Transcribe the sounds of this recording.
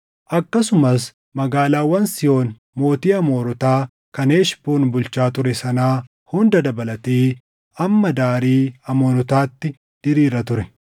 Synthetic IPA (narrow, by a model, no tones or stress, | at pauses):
ʔɐkːɐsʊmɐs̬ | mɐɡaːlaːwɐnsɪjo̞ːn | mo̞ːt̪iːɐmo̞ːɾɔt̪aː | kɐneːʃboːnbʊlt͡ʃaːt̪ʊɾɛsɐnaː | hʊnd̪ɐd̪ɐbɐlɐt̪iː | ɐmːɐd̪aːɾiːɐmoːɾɔt̪aːt̪ːɪ | d̪̥ɪɾiːɾɐt̪ʊɾɛ